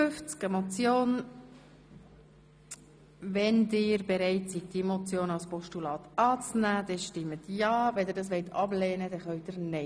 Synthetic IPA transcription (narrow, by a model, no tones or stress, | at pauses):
fʏft͡skəmɔt͡sjoːn | ʋɛndɪːɾbeɾɛɪtsit̚d̥imɔt͡sjoːnɑlspɔʃtulɑːt̪ɑːt͡snæːd̥̪ɛʃtɪmːətjɑːʋɛndɪːdɑs̬ʋɛɪt̪ʰɑblɛːnəd̥ɛχœʊd̪ɪɾnɛ